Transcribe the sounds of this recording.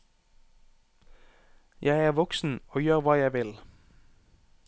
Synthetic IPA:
jʔæɪæːʁʋɔksn̩oːjøːʁʋɑːjæɪʋɪl

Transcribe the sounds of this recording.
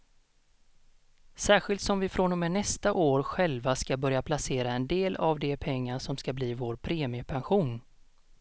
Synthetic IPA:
sæːɧɪlt̪sɔmvɪfɾɔnːɔmɛnɛst̪aʔoːɾɧɛlvaskabœɾjapʰlaseːɾaɛnd̪eːlavd̪ɛpʰɛŋːaʂɔmskabliːvoːɾpʰɾeːmɪɵpʰɛnɧuːn

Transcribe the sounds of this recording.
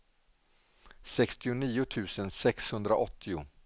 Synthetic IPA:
sɛkst̪ɪʊniːʊt̪ʰʉ̟ːsənsɛkshɵnd̪ɾaʔɔt̪ʰːɪʊ̰

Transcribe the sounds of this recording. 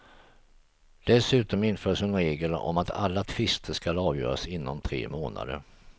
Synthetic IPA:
d̪̥ɛsʉ̟ːt̪ɔmɪnfœːʂɪnɾeːɡəlɔ̰mat̪ʰa̰lːat̪ʰvɪst̪ʰəʂkalɑːvjœ̰ːɾasɪnːɔmt̪ʰɾḛːmoːna̰d̪ə̰ɾ

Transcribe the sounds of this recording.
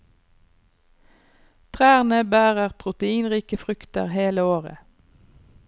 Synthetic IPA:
t̪ʰʁæːʁnəbæːʁəʁpʰʁʊt̪əiːnʁiːkəfʁʏkt̪ə̰ʁheːləoːʁə̰

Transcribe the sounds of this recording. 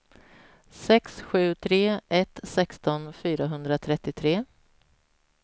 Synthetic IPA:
sɛksɧʉ̟ːt̪ʰɾeːʔɛt̪sɛkst̪ɔnfyːɾaɦɵnd̪ɾat̪ʰɾɛt̪ːɪt̪ʰɾeː

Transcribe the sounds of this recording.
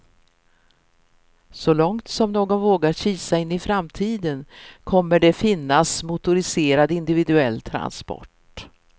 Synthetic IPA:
sɔlɔŋt̪sɔmnoːɡɔnvoːɡaɕiːsaɪnːɪfɾamt̪ʰiːd̪ənkʰɔmːəɖɛfɪnːasmʊt̪ʊɾɪseːɾad̪ɪnd̪ɪvɪd̪ɵɛlːt̪ʰɾa̰nspɔ̰ʈ

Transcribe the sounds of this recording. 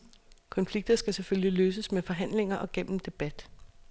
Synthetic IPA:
kʰɒ̽nfliɡ̥̚d̥ɐsɡ̥æseføljiløːs̬əsmefɒ̽ɦæn̰le̝ŋɐʔɒ̽ɡ̥en̰m̩d̥e̝b̥æd̥

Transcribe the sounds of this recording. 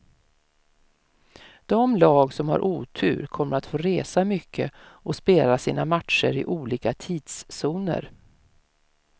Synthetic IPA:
d̪̥ɔmlɑːɡsɔmha̰ɾʔuːt̪ʰʉ̟ːɾkʰɔmːəɾat̪foːɾeːsamʏkʰːəʔɔspeːlasiːnamat̪ʂə̰ɾɪʔuːliːkat̪ʰiːd̪sːuːnə̰ɾ

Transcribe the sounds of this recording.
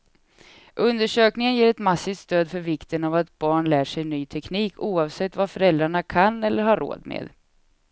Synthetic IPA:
ʔɵnd̪əʂøːknɪŋənjeːɾɛt̪masːɪft̪st̪øːd̪fœɾvɪkt̪ənavat̪̚bɑːɳlæːʂɛjnyːt̪ʰɛkniːkʰuːɑːvsɛt̪ːvafœɾɛld̪ɾaɳakʰanːɛlːəɾhaɾo̰ːd̪mḛːd̪

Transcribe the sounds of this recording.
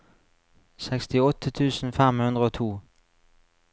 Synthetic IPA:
sɛkst̪ɪɔt̪ʰːət̪ʰʉːsn̩fæmhʉnd̪ʁəoːt̪ʰuː

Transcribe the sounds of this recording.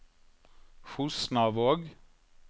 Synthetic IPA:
fusnɑʋoːɡ

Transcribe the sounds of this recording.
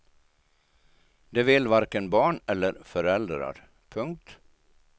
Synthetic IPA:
d̪ɛvɪlvaɾkənbɑːɳɛlːəɾfœɾɛld̪ɾa̰ɾ | pʰɵŋk̚t̪

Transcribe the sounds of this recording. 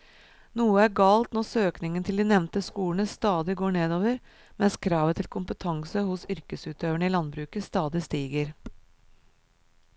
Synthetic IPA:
nuːəæɾɡɑːlt̪nɔsøːknɪŋənt̪ʰɪld̪iːnɛʋnt̪əskuːlɳəst̪ɑːd̪ɪɡoːɳeːd̪oːʋəɾ | mɛnskʰɾɑːʋət̪ʰɪlkʰʊmpət̪ʰɑŋsəhʊsʏɾkəsʉːt̪øːʋəɳəiːlɑnbɾʉːkəst̪ɑːd̪ɪst̪iːɡəɾ

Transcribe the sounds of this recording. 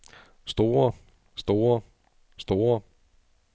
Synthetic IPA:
sd̥o̝ːɐ | sd̥o̝ːɐ | sd̥o̝ːɐ

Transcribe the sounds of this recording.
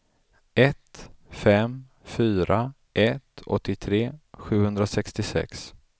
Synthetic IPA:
ɛt̪fɛm | fyːɾa | ʔɛt̪ɔ̰t̪ːɪt̪ʰɾeːɧʉ̟ːhɵnd̪ɾasɛkst̪ɪsɛ̰ks

